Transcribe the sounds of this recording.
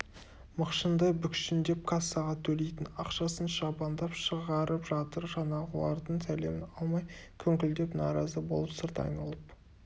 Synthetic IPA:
məqʃənd̪əbʏkʃɪnd̪e̞p̚kʰasːɑʁɑt̪ʰɵle̞jt̪ɪnɑqʃɑsənʃɑbɑnd̪ɑpʃəʁɑɾəpʒɑt̪əɾʒɑnɑʁəlˠɑ̰ɾd̪əɴsʰæle̞mɪnɑlˠmɑjkʲʰɵŋkʲɪld̪e̞pnɑɾɑzəbo̞lˠəpsəɾt̪ɑ̰jnɑlˠəp

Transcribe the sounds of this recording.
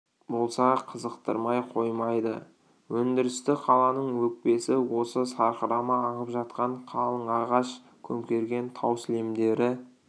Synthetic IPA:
bo̞lˠsɑqʰəzəqt̪ə̰ɾmɑjqʰo̞jmɑjd̪ə̰ | wɵnd̪ɪɾɪst̪ɪqʰɑlˠɑnəɴwɵk̚pe̞sɪwo̞səsɑɾqəɾɑməɑɴəpʒɑt̪̚qɑɴqʰɑlˠəɴɑʁɑʃ | kʲʰɵmkʲe̞ɾɡʲe̞nt̪ʰɑwsɪle̞md̪e̞ɾɪ

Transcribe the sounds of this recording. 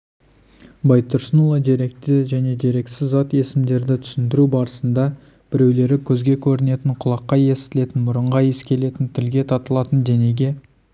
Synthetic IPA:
bɑjt̪ʰːʊɾsənolˠɑd̪eɾe̞k̚t̪ɪʒæne̞d̪e̞ɾe̞ksɪzːɑt̪e̞sɪmd̪e̞ɾd̪ɪt̪ʰʏ̥sɪnd̪ɪɾubɑɾəsənd̪ɑ | b̥ɪɾe̞wle̞ɾɪkʲʰɵzɡʲe̞kʲʰɵɾɪne̞t̪ɪɴqʰʊlˠɑqːɑje̞sɪt̪ɪle̞t̪ɪnmʊɾəɴʁɑje̞skʲʰe̞le̞t̪ɪnt̪ʰɪlɡʲe̞t̪ʰɑt̪əlˠɑt̪ənd̪e̞ne̞ɡʲe̞

